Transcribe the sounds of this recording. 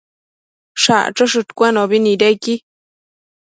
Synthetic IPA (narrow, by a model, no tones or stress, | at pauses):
ʂa̰ʔʈ͡ʂoʂɨt̪kʷanoβiniɾejki